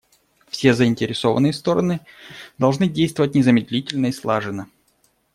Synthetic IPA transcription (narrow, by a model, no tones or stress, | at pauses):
fsʲezəɪnʲtʲɪɾʲɪso̞vənːɨjəst̪o̞ɾə̰nɨd̪ɐlˠʐnɨdʲejst̪vəvətʲnʲɪzəmʲɪd̪ʲlʲitʲɪlʲnəislˠaʐɨnə